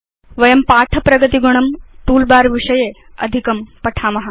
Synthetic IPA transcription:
ʋɐjɐmpaːʈʰɐpɾɐɡɐt̪iɡuɳ̃ɐmt̪uːlbaːɾʋiʂɐjeː | ɐ̰d̪ʱikɐmpɐʈʰaːmɐɦɐ

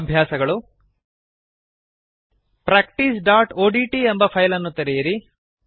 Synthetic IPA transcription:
bʱjaːsɐɡɐɭu | pɾaːk̚ʈisɖaːʈoːɖiːʈiembɐpʰɐjlɐnːut̪ɐɾijɐɾi

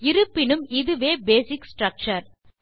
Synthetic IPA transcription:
ɪɾɯpːɪnɯmɪðɯʋeːbeːsɪksʈɾɐk̚t͡ʃɐɾ

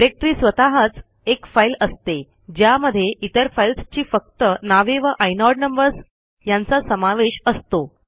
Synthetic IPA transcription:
ɾek̚ʈɾiːsʋət̪aɦət͡s | ekfailəst̪e | d͡ʑjaməd̪ʱːjeʔit̪əɾfailst͡ɕiːfək̚t̪ənaʋeʋəʔajnɔɖnəmbəɾs | jant͡sasəmaʋeɕəst̪o

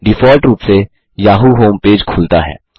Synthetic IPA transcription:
ɖɪfɔːlʈɾuːpse | jaːɦuɦoːmpeːd͡ʒkʰʊlt̪a̰ɦɛ̰ː

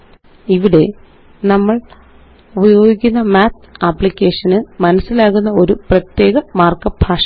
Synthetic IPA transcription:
iʋiɽe̞ | nɐmːɐɭ | ubɐjo̞ːɡikʲːunːɐmaːt̪aːpːɭikʲːe̞ːʂɐnɨmɐnɐsːilaːɣunːɐo̞ɾuprɐt̪je̞ːɣɐmaːrkɐbʱaːʂɐ

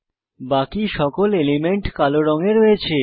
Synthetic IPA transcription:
bakiʃɔkolelimeɳʈkaloɾɔŋeɾoet͡ɕʰe

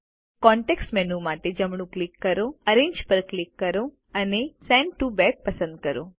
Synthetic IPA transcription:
kɔ̃ɳʈeksʈmɛnumaʈed͡ʒəmɳũklikːəɾoəɾẽɲd͡ʒpəɾklikːəɾo | ənesɛ̃ɳɖʈubɛk̚pəsə̃nd̪̚kəɾo

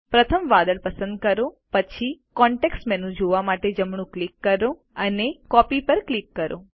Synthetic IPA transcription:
pɾət̪ʰəmʋad̪əɭpəsə̃nd̪̚kəɾo | pət͡ʃʰikɔɳʈeksʈmɛnũd͡ʒoʋamaʈed͡ʒəmɳ̃ũklikːəɾo | ənekɔpipəɾklikːəɾʔo̰

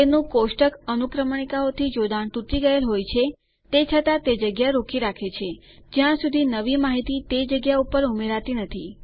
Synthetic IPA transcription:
enũkosʈəkənukɾəməɳ̃ikaot̪ʰid͡ʒod̪aɳt̪ut̪iɡəelɦojt͡ʃʰe | t̪et͡ʃʰət̪at̪ed͡ʒəɡjaɾokiɾakʰet͡ʃʰe | d͡ʒjãsud̪ʱinəʋimaɦit̪it̪ed͡ʒəɡjaupəɾumeɾat̪inət̪ʰi

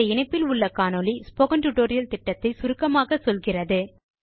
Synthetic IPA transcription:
ɐɪɳɐɪpːɪlʊɭːɐkaːnɔlispɔɣɐnʈʊʈoːɾɪjɐlt̪ɪʈːɐt̪ːɐɪsʊɾɯkːɐmaːɣɐsɔlɣɪrɐðɯ

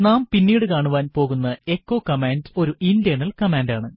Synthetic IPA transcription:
naːmpinːiːɽɨkaːɳuʋaːnpo̞ːɣunːɐe̞kːo̞ːkɐmaːndo̞ɾuʔindijɐnɐlkɐmaːndaːɳɨ

